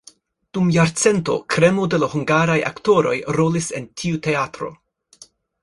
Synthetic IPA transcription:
d̥umjaɾt͡se̞nto̞̰kɾe̞mo̞de̞lahuŋɡaɾaja̰kto̞ɾo̞̰jɾo̞lise̞ntʰiute̞atɾo̞̰

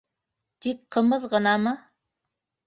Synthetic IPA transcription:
t̪ik̚qʰəməðʁənɑmɤ

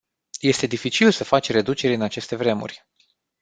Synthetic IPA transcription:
je̞st̪e̞d̪ifit͡ʃilsəfat͡ʃʲre̞d̪ut͡ʃe̞ɾɨnat͡ʃe̞st̪e̞vɾe̞mṵrʲ

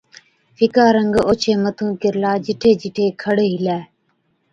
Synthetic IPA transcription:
fʰɪkaːɾəŋɡoːt͡ʃʰeːmət̪ʰũːkɪɾlaːd͡ʒɪʈʰeːd͡ʒɪʈʰeːkʰəɽeːɦɪlɛː

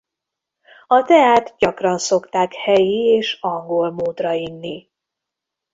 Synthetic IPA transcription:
ɒt̪ɛaːt̪ɟɒkrɒnso̞kt̪aːkhɛjieːʃɒŋɡo̞lmoːt̪rɒjinːi

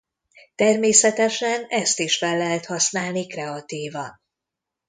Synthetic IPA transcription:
t̪ɛrmeːsɛt̪ɛʃɛnɛst̪iʃfɛlːɛɦɛt̪hɒsnaːlnikrɛɒt̪iːvɒn

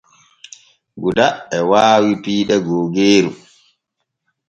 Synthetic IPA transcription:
ɡudaɛwaːwipiːɗɛɡoːɡeːɾu

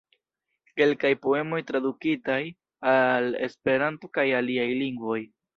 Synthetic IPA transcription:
ke̞lkajpo̞e̞mo̞jtɾadukitaj | ale̞̰spe̞ɾanto̞kajaliajliŋɡvo̞j

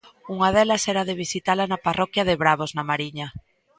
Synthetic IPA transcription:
uŋaðɛlasɛɾaðeβ̞isit̪alanaparɔkjaðeβɾaβ̞oznamaɾiɲa

